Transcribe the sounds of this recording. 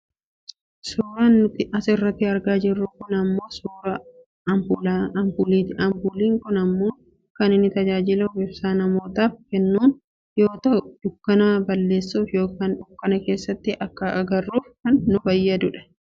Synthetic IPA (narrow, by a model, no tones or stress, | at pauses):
suːɾaːnːʊt̪ɪʔɐsɪrːɐt̪ːɪɐɾɡaːd͡ʒɪrːʊkʊnɐmːo̞ːsuːɾɐ | ɐmblɐmbulit̪ɐmbuːliːŋkʊnɐmːuːŋ | kɐnɪnːɪt̪ɐd͡ʒaːd͡ʒɪloɡɪbsaːnɐmo̞ːt̪aːfkɛnːuːn | jo̞ːt̪ɐʊd̪ʊkːɐnaːbɐlːe̞ːsːuːfjo̞ːkaːnᶑʊkːɐnɐke̞ːsːɐt̪ːɪʔɐkːɐʔɐɡɐrːuːfkɐnːʊbɐjːɐd̪ʊᶑɐ̥